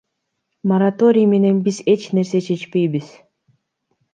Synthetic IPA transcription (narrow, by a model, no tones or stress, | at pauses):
moɾat̪oɾʲɪjmenenbizet͡ʃneɾset͡ʃet͡ʃpejbis